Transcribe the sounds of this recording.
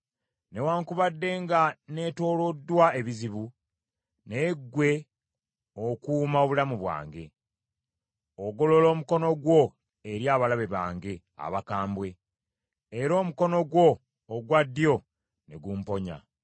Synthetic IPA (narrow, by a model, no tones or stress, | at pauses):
ne̞waːŋkuβadːe̞ːŋɡane̞to̞ːlo̞dːwae̞βiziβu | neɡːwe̞ | okuːmaoβulamuβwa̰ːŋɡe̞̰ | oɡo̞lo̞lo̞ːmuko̞no̞ɡwo̞ | eɾjaːβalaβe̞βaːŋɡe̞ | a̰βakaːmbwe̞ | eɾo̞ːmuko̞no̞ɡwo̞ː | ɡwadːjo̞ | ne̞ɡuːmpo̞ɲa̰